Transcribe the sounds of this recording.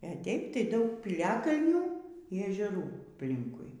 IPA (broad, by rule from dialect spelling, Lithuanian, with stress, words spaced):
ɛ ˈtʲɛɪp tɐɪ ˈdɐʊk pʲiːˈlʲæːkɐlʲnʲuː iː ɛʒʲɛˈruː ɐpʲˈlʲɪŋkʊɪ